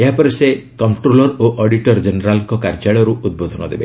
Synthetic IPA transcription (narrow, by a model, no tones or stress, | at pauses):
eɦapɔɾese | kɔmʈɾolɔɾoʔɔɖiʈɔɾd͡ʒeneɾalɔŋkɔkaɾd͡ʒaɭɔɾuud̪̚bod̪ʱɔnɔ̰d̪ebe